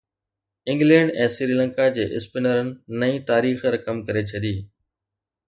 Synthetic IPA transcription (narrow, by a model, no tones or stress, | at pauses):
ɪ̃ŋɡlɛ̃ːɳɖɛ̃ːsɪɾiːlə̃ŋkad͡ʑeːʔɪspɪnəɾənɪ̆nɐĩːt̪aːɾiːxɾɐkəmkɐɾet͡ɕʰɐɗiː